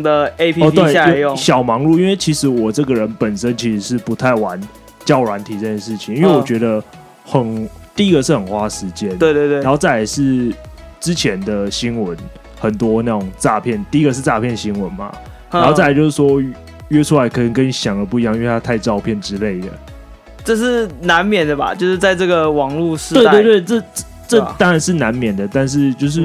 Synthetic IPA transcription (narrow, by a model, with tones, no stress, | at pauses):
də˨e˦ɪpʰɔ˨˧t̪we˥e˥˩˥jɕjɑ˨˩ʊmɑ˧˥ŋlu˥˨i˥nwe˥˩ɪt͡ɕʰi˧˥ʂɻ̩˧˥wɔ˨˩ʈ͡ʂɤ˥˩ɡə˩ɻə˨˦npə˨˩nʂə˦nt͡ɕʰi˧˥ʂɻ̩˧˥ʂɻ̩˥˩pu˧˦t̪ʰa˥˩ɪwa˧˦n | t͡ɕjɑ˥˩ʊlwa˧˦nt̪ʰi˨˥t͡sə˥˧t͡ɕʰjɛ˥˩nʂɻ̩˥˩t͡ɕʰi˨ŋi˥nwe˥˩ɪwɔ˨˩t͡ɕɥɛ˧˥d̪ə˧ | xə˨˩nt̪i˥˨i˦˥ɡə˨ʂɻ̩˥˩xə˨˩nxwa˥ʂɻ̩˧˦t͡ɕjɛ˥˦nawe˥˧t̪we˥˧˥e˥˨˦o˥˧t͡sa˥˩ɪja˨˧˦ɪʂɻ̩˥˩ʈ͡ʂɻ̩˦t͡ɕʰjɛ˧˦nd̪ə˨ɕi˦˥nwə˨˦n | xə˨˩nt̪wɔ˦na˥˩ʈ͡ʂʊ˨˩ŋʈ͡ʂa˥˧pʰjɛ˥˩nt̪i˥˩˦ɡə˨ʂ̬̩˥˧ʈ͡ʂa˥˧pʰjɛ˥˩nɕi˦˥nwə˧˦nma̰˨ | a˦˥o˥˧t͡sa˥˩˧t͡ɕjʊʂɻ̩˥˩wɔ˦ | ɥɛ˥ʈ͡ʂʰu˥a˧˥ɪkʰɤ˨˩nə˨˦nkə˦nɕjɑ˨˩ŋd̪ə˩p̬u˥˩˨i˧jɑ˥˧ŋ˥˧t̪ʰa˥t̪ʰa˥˧ɪʈ͡ʂɑ˥˧ʊpʰjɛ˥˩nʈ͡ʂɻ̩˦le˥˩ɪd̪ə̰˩ | ʈ͡ʂɤ˥˧ʂɻ̩˥˩na˨˧˦nmjɛ˨˩nd̪ə˩ba̰˨t͡ɕjo˥˧ʊʂɻ̩˥˧t͡sa˥˧ɪʈ͡ʂɤ˥˩ɡə˩wɑ˨˩ŋlu˥˧ʂ̩˧we˥˧a˥t̪wt̪we˥˩ɪʈ͡ʂə˥˧˥ | ʈ͡ʂə˥˨t̪ɑ˥ŋɻa˨˦nʂɻ̩˥˩na˧˦˥nmjɛ˨˩nd̪ə˩t̪a˥˧nʂ̬ɻ̩˥˧t͡ɕjo˥˧ʊʂ̬ɻ̩˥˨